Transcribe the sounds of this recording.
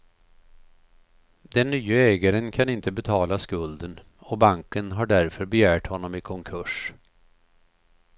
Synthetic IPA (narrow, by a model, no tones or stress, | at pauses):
d̪ɛnːyːaɛːɡaɾənkʰanɪnt̪əbɛt̪ʰɑːlaskɵld̪ən | ɔbaŋkənɦaɖæɾfœɾbɛjæːʈhɔnːɔmɪkʰɔŋkʰɵʂ